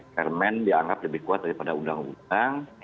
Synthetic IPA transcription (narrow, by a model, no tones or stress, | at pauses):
kərmɛndiaŋɡap̚ləbɪhkuat̪̚daɾipadaundaŋṵt̪aŋ